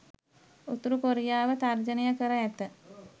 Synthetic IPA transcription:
ut̪uɾukoɾijaːʋət̪ard͡ʒənijəkəɾəæt̪ə

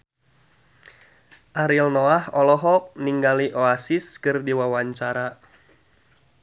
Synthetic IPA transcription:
ʔaɾilnɔahɔlɔɦɔʔ̚niŋɡaliʔoasiskɨrdiwawaɲt͡ʃaɾa

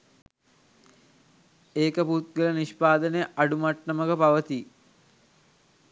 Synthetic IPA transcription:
eːkəput̪̚ɡələniʃpaːd̪ənejʔaɖumaʈnəməkəpaʋət̪i

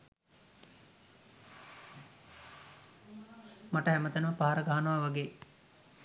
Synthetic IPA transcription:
maʈəɦæmət̪ənəʋəpaɦaɾəɡaɦanəʋaʋaɡeː

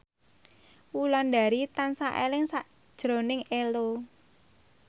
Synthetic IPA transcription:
wulɔnda̤ɾit̪ansaʔelɪŋsaʔ | d̥ʒ̥ɾo̤nɪŋelo

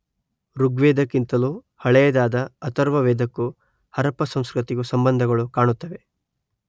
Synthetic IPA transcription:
ɾuɡʋeːd̪ɐkːint̪ɐlu | hɐɭɛjɐd̪aːd̪ɐːt̪ɐɾʋɐʋeːd̪ɐkːu | hɐɾɐpɐsɐmskɾut̪iɡusɐmbɐnd̪ʱɐɡɐɭukaːɳut̪ːɐʋe̞

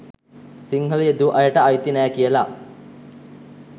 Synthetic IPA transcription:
siŋɦəlijed̪uʔɐjəʈəajt̪inæːkijəla

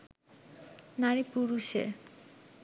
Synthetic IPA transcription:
naɾipuɾuʃḛɾ

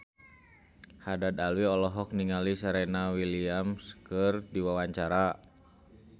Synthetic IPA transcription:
hadad̪alwiɔlɔɦɔk̚niŋalisaɾɛnawiliamskərdiwawaɲt͡ʃaɾa

